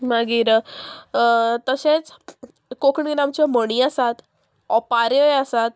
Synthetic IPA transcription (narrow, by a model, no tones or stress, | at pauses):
maɡiːɾ | t̪əset͡s | kokɳiɾamt͡ɕɔməɽ̃iasat̪ | ɔpaɾəjasat̪̚